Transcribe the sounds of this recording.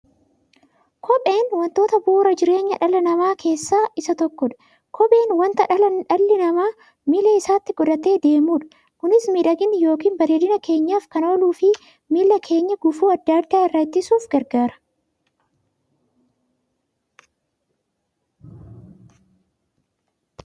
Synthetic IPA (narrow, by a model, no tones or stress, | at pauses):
kʰɔɓeːnwɐnt̪o̞ːt̪ɐbuːɾɐd͡ʒɪɾe̞ːɲːɐᶑɐlɐnɐmaːkʰe̞ːsːaːɪsɐt̪ɔkːɔᶑɐ̥ | kʰɔɓe̞ːnwɐnt̪ɐᶑɐlɐᶑɐlːɪnɐmaː | miːlɐɪsaːt̪ːɪɡɔᶑɐt̪e̞ːd̪e̞ːmuːᶑɐ̥ | kʊnɪsmiːᶑɐɡɪnjo̞ːkiːnbɐɾeːd̪ɪnɐke̞ːɲːaːfkɐno̞ːluːfɪ | miːlːɐkʰe̞ːɲːɐɡʊfuːɐd̪ːaːd̪ːaːɪrːɐt̪ːɪsuːfɡɐɾɡaːɾɐ̥